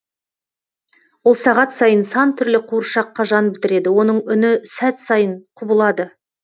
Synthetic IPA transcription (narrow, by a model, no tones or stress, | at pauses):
wo̞lˠsɑʁɑt̪sɑjənsɑnt̪ʰʏɾlɪqʰuɾʃɑqːɑʒɑnbɪt̪ɪɾe̞d̪ɪwo̞nəɴʏnɪsæt̪sɑjəɴqʰʊbəlˠɑd̪ə